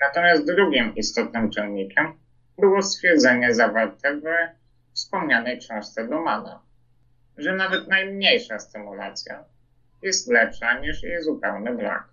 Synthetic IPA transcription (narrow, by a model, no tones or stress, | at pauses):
nat̪ɔmʲjast̪̚d̪ɾuɡʲimist̪ɔt̪nɘmt͡ʂɛnɲikʲɛm | bɘwɔst̪fʲjɛɾd̪zɛɲɛzavaɾt̪ɛv | fspɔmɲanɛjt͡ʂɛ̃w̃ʂt̪sɛd̪ɔmana̰ | ʐɛnavɛt̪najmɲejʂast̪ɘmula̰t̪sʲja̰ | jɛst̪lɛpʂaɲiʂjejzupɛwnɘvla̰k